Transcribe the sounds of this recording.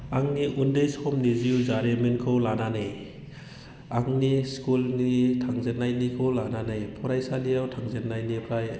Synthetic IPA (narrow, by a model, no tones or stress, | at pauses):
aŋniʔundeshɔmniziwzaɾemenkʰɯwlananaj | aŋniskulnitʰaŋzenːajnikʰɯwlananajpʰɔɾajsalijawtʰaŋzenːajnipʰɾaj